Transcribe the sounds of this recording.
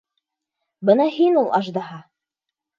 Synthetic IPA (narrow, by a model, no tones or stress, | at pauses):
bɤnɑhinulˠɑʒd̪ɑɦɑ